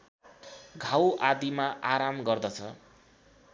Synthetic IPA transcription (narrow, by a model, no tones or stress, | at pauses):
ɡʱawad̪imaʔaɾamɡʌrd̪ʌt͡sʰʌ